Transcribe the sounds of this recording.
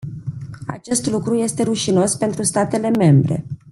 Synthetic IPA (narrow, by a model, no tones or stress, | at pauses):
a̰t͡ʃe̞st̪lukɾuje̞st̪e̞ɾuʃino̞spe̞nt̪ɾust̪at̪e̞le̞me̞mbɾe̞̰